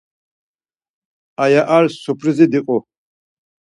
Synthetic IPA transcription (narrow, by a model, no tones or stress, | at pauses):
ajaʔaɾsɔpʰɾizid̪iqʼɔ